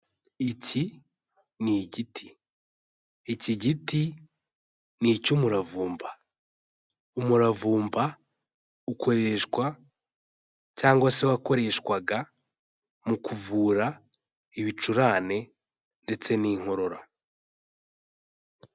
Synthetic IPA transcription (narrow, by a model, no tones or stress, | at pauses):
ici | niɟitʰi̥ | iciɟiti | nicumuɾavuːmba | umuɾavuːmba | ukʰo̞ɾe̞ʃkwa | caːŋɡwasewako̞ɾe̞ʃkwaɡa | mukuvuːɾa | iβit͡ʃuɾaːne̞ | nde̞t͡se̞niːŋ̥o̞ɾo̞ɾa